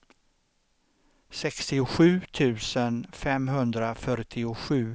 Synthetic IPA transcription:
sɛkst̪ɪʊɧʉ̟ːt̪ʰʉ̟ːsənfɛmɦɵnd̪ɾafœɾʈʰɪʊɧʉ̟ː

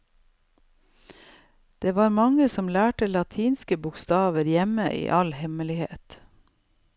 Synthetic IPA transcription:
d̪̥eːʋɑːɾmɑŋəsɔmlæːʈəlɑt̪ʰiːnskəbʊkst̪ɑːʋəɾjɛməʔḭːʔɑlhɛməlɪhḛːt̪

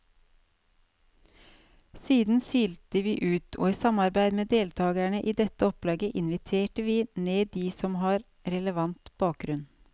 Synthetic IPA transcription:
siːd̪n̩siːlt̪əʋiːʔʉːt̪ʰo̰ːiːsɑmɑɾbæɪd̪meːd̪eːlt̪ʰɑːɡæɳəʔiːd̪ɛt̪əɔplɑːɡəʔɪnʋɪt̪ʰʋeːʈəʋiːneːd̪iːsɔmhɑːɾ | ɾɛləʋɑnt̪b̥ɑːk̚ɡɾʉn

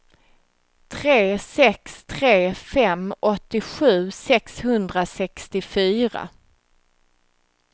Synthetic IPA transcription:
t̪ʰɾeːsɛkst̪ʰɾeːfɛmɔt̪ːɪɧʉ̟ːsɛkshɵnd̪ɾasɛkst̪ɪfyːɾa̰

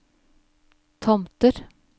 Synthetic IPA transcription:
t̪ʰɔmt̪əɾ

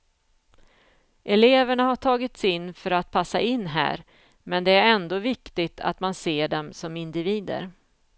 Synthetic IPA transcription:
ʔɛleːvəɳahaʈʰɑːɡɪt̪sɪnːfœɾat̪̚pʰasːa̰ɪnːɦæ̰ːɾ | mɛnd̪ɛæɾɛnd̪oːvɪkt̪ɪt̪ʰa̰t̪manseːɖɛmsɔmɪnd̪ɪviːd̪ə̰ɾ

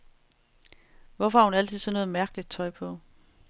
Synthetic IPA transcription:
ʋɒfɒhɑ̈hunæl̰t͡sʰiðˠsɒ̽nɔ̽ːð̩ˠmæɐɡ̥əlid̥̚t͡sʰɒ̽ɪpʰɒ̽

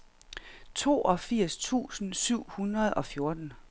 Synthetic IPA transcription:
t͡sʰo̝̰ːʔɒ̽fiɐ̰st͡sʰṵːsn̩syʊ̰hunʁɐð̞ˠʔɒ̽fjo̝ɐd̥n̩

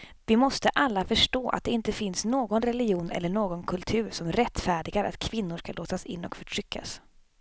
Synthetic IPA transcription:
vɪmɔst̪əʔalːafœʂʈoːʔa̰t̪̚d̪ɛɪnt̪əfɪnsnoːɡɔnɾɛlɪɡjuːnɛ̰lːəɳoːɡɔnkʰɵlt̪ʰʉ̟ːɾʂɔmɾɛt̪ːfæːɖɪɡaɾa̰t̪kʰvɪnːʊʂkalʔoːt̪asɪ̰nːɔ̰kfœʈʰɾʏkʰːa̰s

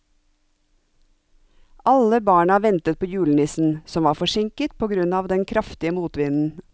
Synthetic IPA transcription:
ʔʔɑləbɑːɳɑʋɛnt̪ət̪̚pʰoːjʉːlnɪsn̩sɔmʋɑːfɔʃɪŋkət̪̚pʰoːɡɾʉnɑːʋd̪ɛnkʰɾɑft̪ɪəmuːt̪ʋɪnn̩

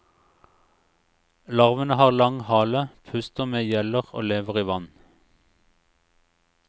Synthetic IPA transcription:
lɑʁʋənəhɑːʁlɑŋhɑːləpʰʉst̪əʁmeːjɛləʁo̰ːleːʋəʁiːʋɑn

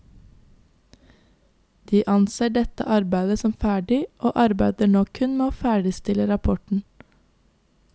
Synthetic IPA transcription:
d̪̥iːʔɑnseːɖɛt̪ə̰ʔɑɾbæɪd̪əsɔmfæːɖɪʔoːʔɑɾbæɪd̪əɳɔːkʰʉnmeːoːfæːɖɪst̪ɪləɾɑpʰɔʈɳ̩

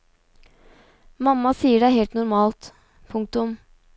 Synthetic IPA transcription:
mɑmːɑsiːəɖæɪheːlt̪nʊɾmɑːlt̪ | pʰʊŋk̚t̪ʊm

